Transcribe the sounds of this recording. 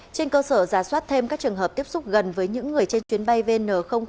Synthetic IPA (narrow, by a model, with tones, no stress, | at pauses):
t͡ɕe˧nkəː˧səː˧˩zaː˧˩swaː˦˥t̚t̪ʰe˧mkaː˦˥k̚t͡ɕɨ˨˩əŋɦəː˨˩p̚t̪i˦˥əp̚sʊ˦˥k͡p̚ɣə˨˩nvəː˨˦jɲɨ̰˧˥ŋːɨ˨˩əjt͡ɕe˧nt͡ɕwi˨˦ənɓa˧jve˧nəː˨˧˩xə˧wŋ͡m